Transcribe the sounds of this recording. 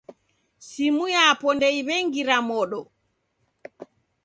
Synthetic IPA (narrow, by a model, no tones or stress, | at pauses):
simujaːpɔndɛjβɛŋɡiɾamɔɗɔ